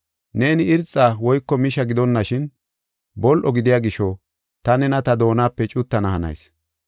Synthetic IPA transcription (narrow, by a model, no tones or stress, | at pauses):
ne̞ːnɪɪɾt͡sʼːaːwɔjkːɔmɪʃɐɡɪd̪ɔnːɐʃɪn | bɔlʔɔɡɪd̪ɪjaːɡɪʃɔ | t̪ɐnɛnɐt̪ɐd̪o̞ːnaːpːɛt͡ʃʼʊt̪ːɐnɐhɐnɐ̰js